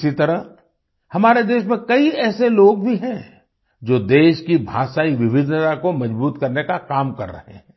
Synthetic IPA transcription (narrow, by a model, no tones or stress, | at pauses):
sit̪ɐɾəɦ | hɐmaːɾed̪eːʃmẽkɐiɛːseloːɡ̚bʱiɦɛ̃ | d͡ʒoːd̪eːʃkibʱa̰ːʃaːiʋɪʋɪd̪ʱt̪akomɐd͡ʒbuːt̪kɐɾnekakaːmkɐ̰ɾːɐ̰ɦḛɦɛ̃ː